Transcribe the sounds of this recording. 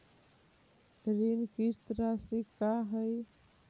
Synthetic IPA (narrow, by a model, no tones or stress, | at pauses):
ɾinkist̪ɾasikaɦəj